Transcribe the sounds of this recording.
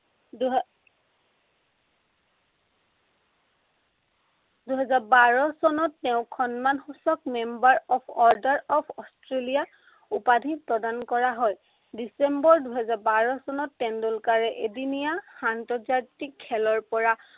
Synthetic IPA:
d | duɦɛzaɹbaɹɔsɔnɔtːɛʊ̃kʰɔnmanxusɔk̚membaɹɔpʰɔɹdaɹɔpʰɔstʰɹelija | upadʱipɹɔdankɔɹaɦɔj | disembɔɹduɦɛzaɹbaɹɔsɔnɔtːɛndulkaɹɛʔedinijaxantɔzaɹtikʰːɛlɔɹpɔɹa

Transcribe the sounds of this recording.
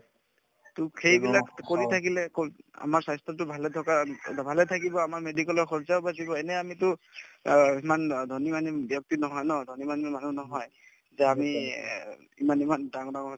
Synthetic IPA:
tʊxʰejbilakkoɹitʰakilɛka̰maɹsajstʰɔt̬ʊbʱalɛtʰɔkabʱalɛtʰakibɔamaɹmedikɔlɔɹxɔɹzawbazibɔɛnɛamitʊ | imandʱonimanibjɔk̚tinɔɦɔjnɔdʱonimanmanunɔɦɔj | zɛami | ḭmanimandaŋɔdaŋɔɦɔ

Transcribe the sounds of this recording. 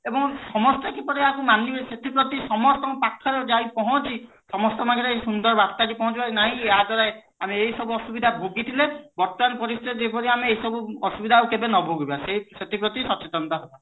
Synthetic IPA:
ebɔŋsɔmɔstɔkipɔɾiakumaniset̪ipɾɔt̪isɔmɔst̪ɔmpakʰːɔɾed͡ʒaj̃pɔɦɔ̃t͡ʃʰi | sɔmɔst̪ɔmaɡʰʱiɾsund̪ɔɾbast̪adipɔɦɔ̃t͡ʃʰibanaɦĩeɦad̪ɔɾaj | ameeɦjsɔbuɔsubid̪ʱabʱoɡit̪ʰilebɔɾt̪ɔmanpɔɾist̪ed͡ʒepɔɾiameejsɔbuɔsubid̪ʱaukebenɔbʱoɡibasejset̪ipɾɔt̪isɔt͡ʃet̪ɔnt̪ɔɦeba

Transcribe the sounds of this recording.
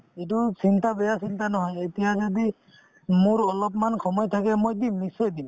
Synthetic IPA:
et̬ʊsintabɛjasintanɔɦɔjetijazodi | mʊɹɔlɔpmankʰɔmɔjt̪ʰakɛmojdimːisɔjdim

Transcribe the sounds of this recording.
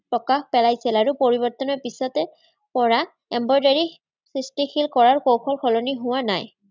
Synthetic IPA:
pɹɔkaxpɛlajsilaɹʊpoɹibɔɹt̪ɔnɔɹpisɔtɛ | pɔɹa | ɛmbɔɹdaɹi | sɹistixilkɔɹaɹkowxʰɔlkʰɔlɔniɦʊwanaj

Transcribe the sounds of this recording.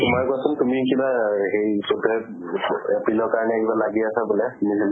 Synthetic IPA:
mɔjkɔasʊntumikibaɦejsotɔ | epilɔɹkaɹnɛɛkibalaɡiasabulɛnisil

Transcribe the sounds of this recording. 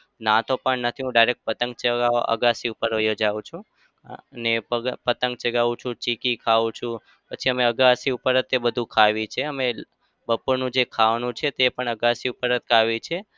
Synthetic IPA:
nãt̪opəɳnət̪ʰiɦũɖajɾek̚ʈ̚pət̪ə̃ŋɡ̚t͡ʃəɡaə̰ɡasiupəɾojod͡ʒaʋũt͡ʃʰũ | ənepəpət̪əŋɡ̚t͡ʃəɡaʋũt͡ʃʰũt͡ʃikikʰaʋũt͡ʃʰũ | pət͡ʃʰiəmeəɡasiupəɾət̪ebəd̪ʱũkʰaʋit͡ʃʰeəme | bəpuɾnũd͡ʒekʰaʋnũt͡ʃʰet̪epəɳəɡasiupəɾət̪kʰaʋit͡ʃʰe

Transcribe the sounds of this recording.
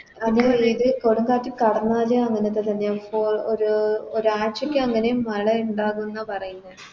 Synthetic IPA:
ɐðɐiðɨkoɽuŋɡaːʈːikɐɽɐnːaːlɐɐŋːɐnet̪ːet̪ɐnːefooɾuoɾaːt͡ɕɐkʲːɨɐŋːɐnejumːɐɭɐuɳɖaːɣunːɐpɐrɐjunːɐð

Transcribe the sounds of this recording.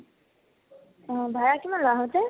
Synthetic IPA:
ɔ̃bʱaɹakimanlɔaɦɔtɛ

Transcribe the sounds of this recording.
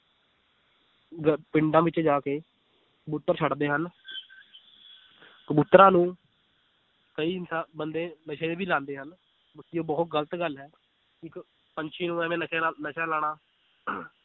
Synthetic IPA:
ɡpɪɳɖãːʋɪt͡ʃd͡ʒaːkeː | kəbʊt̪ːəɾt͡ʃʰəɽd̪eːɦən | kəbʊt̪ːɾãːnũː | kəiːnsabənd̪ẽːnəʃeːebiːlãːnd̪eːɦən | bʊt̪ːiːoːbəːʊt̪̚ɡələt̪ɡəlɦɛː | ɪk | pəɲt͡ʃʰiːnũːɛːʋẽːnəʃeːnəʃaːlaːɽ̃aː

